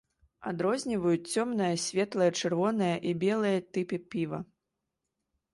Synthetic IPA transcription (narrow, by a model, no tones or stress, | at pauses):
a̰d̪ɾɔzʲnʲivɐjut͡sʲt͡sʲɔmnɨjɐsʲvʲɛt̪lˠɐjɐt͡ʂɨrvɔnɨjɐʔibʲɛlˠɨjɐt̪ɨpɨpʲivɐ̰